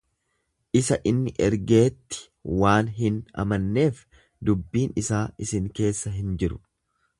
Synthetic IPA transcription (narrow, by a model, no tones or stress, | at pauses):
ʔɪsɐʔɪnːɪʔɛɾɡe̞ːt̪ːɪ̥ | waːnɦɪnɐ̰mɐnːe̞ːf | d̪ʊbːiːnɪsaːʔɪsɪŋke̞ːsːɐɦɪnd͡ʒɪɾʊ̥